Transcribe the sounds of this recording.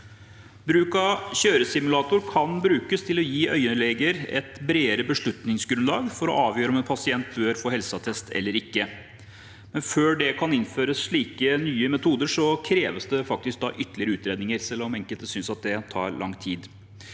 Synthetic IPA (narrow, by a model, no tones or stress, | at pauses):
bɾʉːkɑɕøːɾəsɪmʉlɑːt̪ʊɾkʰɑnbɾʉːkəst̪ʰɪlɔjiːʔœ̰ʏəlɛɡəɾɛ̰t̪bɾeːəɾəbəʂɭʉt̪nɪŋsɡɾʉnlɑːɡfɔɾɔ̰ʔɑːʋjøːɾəɔmɛnpʰɑsɪɛnt̪bøɾfoːhɛlsɑt̪ʰɛst̪ʰɛ̰lːəɾɪkːə | mɛnføːɖɛkʰɑnɪnføːɾəsʂɭiːkənyːəmɛt̪ʰuːd̪əʂɔkʰɾeːʋəsd̪ɛfɑk̚t̪ɪsk̚d̪ɑ̰ːʔʏt̪əlɪəɾəʉːt̪ɾeːd̪nɪŋəɾsɛlːɔmɛŋkəlt̪əsʏnsɑt̪̚d̪ɛt̪ʰɑ̰ːɾɭɑ̰ŋːt̪ʰiːd̪